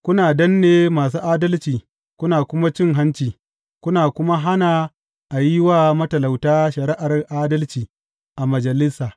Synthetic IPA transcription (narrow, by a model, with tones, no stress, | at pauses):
kʷʊ˦naː˨dɐ˦nːeː˦maː˨s̬uː˦ʔaː˦dɐ˦lt͡ʃiː˨ | kʷʊ˦naː˨kʷʊ˦ma˦t͡ʃɪ˦ŋɦa˦nt͡ʃiː˨ | kʷʊ˦naː˨kʷʊ˦ma˦ɦa˦naː˨ | ʔa˨jɪ˦waː˦˨mɐ˦tɐ˨la˨wtaː˦ʃɐ˨ɾɪ˦ʔa˨rʔaː˦dɐ˦lt͡ʃiː˨ | ʔa˨mɐ˨d͡ʒɐ˨lɪ˦saː˨